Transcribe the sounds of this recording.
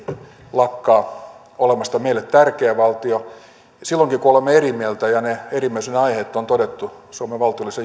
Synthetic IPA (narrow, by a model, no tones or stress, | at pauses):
lɑkːɑː | olemɑst̪ɑmeilːˑet̪t̪ærkeːʋɑlt̪io | silːoŋkikuolemːeerimielt̪æjɑneerimiæesenɑiheːt̪ːont̪odet̪ːusuomeʋʋɑlt̪iolːˑise